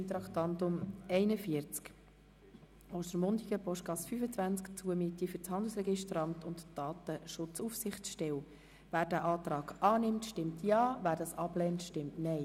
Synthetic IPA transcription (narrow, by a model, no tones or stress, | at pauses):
nt̪ɾɑkt̪ɑntʊmɛɪnəfiəɾt͡sk | osəɾmʊndiɡəpɔʃtɡɑsfyfət͡sʋænt͡skt͡suəmɪtːiføɾt͡shɑnd̪l̩srɛɡɪʃtɾɑmt̪ʊntd̥ɑːt̪əʃʊt͡sufsɪχʃtɛw | væːɾdæʔɑːt̪ɾɑːɡʔɑːnɪmtʃtɪmtʰjɑːvæːɾdɑsɑb̥lɛːntʃtɪmtnɛɪ